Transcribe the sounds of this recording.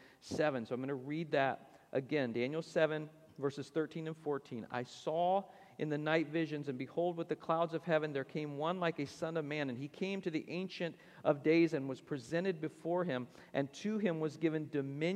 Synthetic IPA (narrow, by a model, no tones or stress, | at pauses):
sɛvɨ̃nsoʊaɪ̃mɡʌ̃nɨɹid̪̚ðɨɾ | ʔɨɡɛ̃ndæ̃njl̩ˠsɛvɨ̃n | vɜ˞sɨz̥θɜ˞tʰĩnɨ̃nfɔɹtʰĩna̰ɪsɔ | ʔɨ̃nðɨnaɪtvɪʒɨ̃nzɨ̃nbɨhoʊlˠd̚wəðɨkʰl̥aʊdzʌv̥hɛvɨ̃nðə˞kʰẽɪ̃mwʌ̃nlaɪkɨsʌ̃nʌvmæ̃nɨ̃nikʰẽɪ̃mtʰɨðiʔẽɪ̃nʃɨ̃nt | ʔʌvdeɪzɨ̃nwʌz̥pʰɹ̥izɛ̃ɾ̃ɨd̚bɨfɔɹɪ̃m | ʔɨ̃ntʰɨɪ̃mwʌzɡɪvɨ̃ndɨmɪ̃